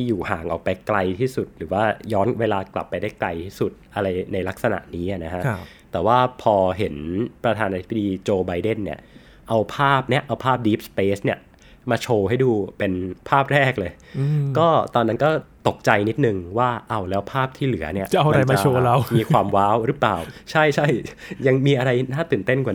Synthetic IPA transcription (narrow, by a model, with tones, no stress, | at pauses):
t̪ʰiː˥˩juː˨˩haː˨˩ŋʔɔː˨˩k̚pa˧jkla˧jt̪ʰiː˥˩su˨˩t̪̚ɾɯː˩˦waː˥˩jɔː˦˥nweː˧laː˧kla˨˩pːa˧jdaː˥˩jkla˧jt̪ʰiː˥˩su˨˩t̪̚ʔa˧ɾa˧jna˧jla˦˥k̚sa˧na̰˨˩ʔniː˦˥a˨˩na˦˥kʰa˦˥ʔ | t̪ɛː˨˩waː˥˩pʰɔː˧ɦe˩˦npɾa˧t̪ʰaː˧naː˧t̪ʰi˦˥ba˧˩diː˧t͡ɕoː˧ba˧jde˥˩nːi˦˥˩ɐ | ʔa˧wpʰaː˥˩p̚ni˦˥ɐʔa˧wpʰaː˥˩p̚diː˦˥p̚speː˦˥sni˥˩ɐ | maː˧t͡ɕʰoː˧ɦa˥˩jduː˧pe˧npʰaː˥˩p̚ɾɛː˥˩k̚lɤː˧j | kɔː˥˩t̪ɔː˧nːa˦˥nkɔː˥˩t̪o˨˩k̚t͡ɕa˧jni˦˥t̪̚nɯ˨˧ŋwaː˥˩ʔa˧˩wlɛː˦˥wpʰaː˥˩p̚t̪ʰiː˥˩lɯ˩˦ɐni˥˩ɐʔa˧jmt͡ɕa˧a˧oː˧la˦˥miː˧kʰwaː˧mwaː˦˥wɾɯ˦˥plaː˨˩wt͡ɕʰa˥˩jt͡ɕʰa˥˩jja˧ŋmiː˧ʔa˧ɾa˧jnaː˥˩t̪ɯː˨˩nt̪e˥˩nkwa˨˩